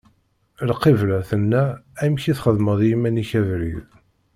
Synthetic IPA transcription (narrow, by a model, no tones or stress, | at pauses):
lqːivlæθənːææmçiθχəðməðˤjimæniçævɾḭð